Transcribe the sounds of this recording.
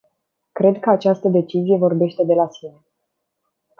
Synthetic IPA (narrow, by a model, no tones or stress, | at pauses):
kɾe̞d̪kəat͡ʃast̪əd̪e̞t͡ʃizije̞vo̞rbe̞ʃt̪e̞d̪e̞lasine̞